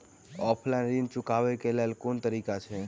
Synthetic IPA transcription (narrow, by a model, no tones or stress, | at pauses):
ɔpʰlajnɾint͡ʃʊkaʋekelalkunt̪əɾikat͡ʃʰe